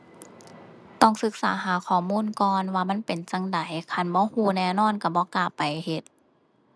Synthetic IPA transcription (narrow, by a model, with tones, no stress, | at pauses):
t̪ɔ˧˩˨ŋsɯ˧˦k̚saː˨˦ɦaː˨˦kʰɔː˨˩muː˧˥˨nkɔː˧nwaː˧ma˧˥˨npe˨˩nt͡ɕa˧ŋda˨˦jkʰa˧˩˨nbɔː˧˥˦huː˧˩nɛː˧˩wnɔː˧˥˨nka˧˩bɔː˧˦kaː˧˩pːa˨˩jhe˧˦t̪̚